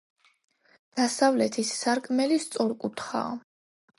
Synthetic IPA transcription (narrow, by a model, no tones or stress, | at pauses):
d̪̥asavlɛt̪ʰisːaɾkʼmɛlist̪sʼɔɾkʼut̪ʰχa̰